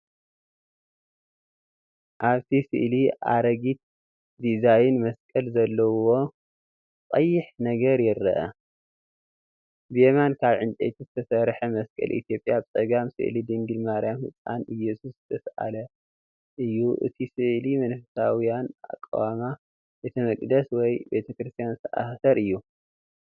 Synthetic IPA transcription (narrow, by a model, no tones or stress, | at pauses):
ʔaβt̪ʰisɨ̰ʔliʔa̰ɾɐɡit̪̚ | d̪izajnmɐskʼɐlzɐlːɐwo̞ | q̪ʼɐjːɪħnɐɡɐɾjɪɾːɐʔɐ̰ | bjemankʰaβʕɨnt̪ʼḛt̪ʰizɨt̪ʰɐsɐɾħɐmɐskʼɐ̰lʔḭt̪ʰjo̞pʼjabt͡sʼɐɡamsɨ̰ʔlid̪ɨŋɡɨlmaɾjamhɨt͡sʼːa̰nɨjːɛsuszɨt̪ʰɐsʔa̰lɐ | ʔɨjːuʔɨ̰t̪ʰisɨʔlimɐnfɨsawijana̰kʼːa̰wama | bet̪ʰɐmɐkʼd̪ɐswɔjbe̞t̪ʰɐkɾɨst̪ʰijanzɨt̪ʰɐʔa̰hsɐɾʔɨjːu